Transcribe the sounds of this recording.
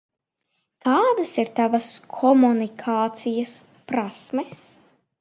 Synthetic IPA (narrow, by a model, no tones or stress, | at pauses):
kaːd̪ɐsiɾt̪avɐskʰɔmunikʰaːt̪sijɐs | pɾasmɛs